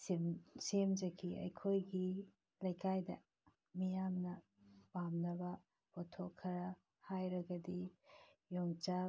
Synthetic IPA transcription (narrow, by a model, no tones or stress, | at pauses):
semd͡ʒɐkʰiɐ̰jkʰojɡi | lɐjkajdɐ̰ | mijamnɐ | pamnɐbɐ | potʰokʰːɐɾɐ | hajɾɐɡɐdi | joŋt͡ʃa